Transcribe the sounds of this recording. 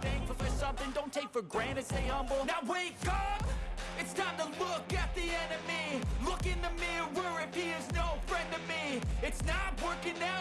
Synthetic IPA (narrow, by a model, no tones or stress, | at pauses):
θæ̃ŋkfəfə˞sʌ̃mθɪ̃ŋdõʊ̃ntʰeɪkfə˞ɡɹæ̃ɾ̃ɨtseɪʌ̃mbl̩ˠnaʊweɪkʌp̚ɨtsnət̪̚ðəlʊkɨt̪̚ðiɛ̃nɨmilʊkɪ̃ŋðɨmɪwəɹɨpʰiznoʊfɹɛ̃ndʌvmiɨtsnət̚wɜ˞kɪ̃ŋnaʊ